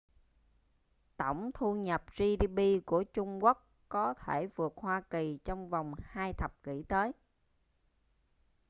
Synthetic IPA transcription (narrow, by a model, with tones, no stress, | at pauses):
t̪ə˧˩wŋ͡mt̪ʰu˧ɲə˨˩p̚zi˧ɗi˧ɓi˧ku˧˩ət͡ɕʊ˧ŋ͡mku˦˥k | kɔ˨˦t̪ʰe˧˩vɨ˨˩ək̚hwaː˧ki˨˩t͡ɕɔ˧wŋ͡mva˨˩wŋ͡mhaː˧jt̪ʰə˨˩p̚kḭ˧˥t̪əː˨˦j